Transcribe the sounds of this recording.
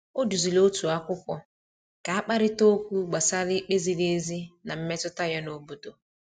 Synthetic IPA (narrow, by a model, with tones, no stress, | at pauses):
o˦du˨zi˨lo˦tu˨a˦kʷʊ˦kʷɔ˦ | ka˨a˦k͡pa˦ɾɪ˦to˦kʷu˦ɡ͡ba˨sa˦lɪ˦k͡pe˦zi˨le˦e˦zi˦na˨m̩˦me˦tʊ˦ta˦ja˦no˨bo˨do˨